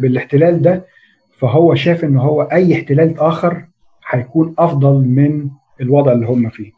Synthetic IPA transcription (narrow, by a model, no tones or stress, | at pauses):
beleħt̪elæːld̪æ | fæɦowːæʃæːfʔenːɦowːæʔæjːeħt̪elæːlʔæːxɑɾˤ | ħɑjækuːnʔɑfd̪ˤɑlmen | elwɑd̪ˤʕelːiːhomːæfiː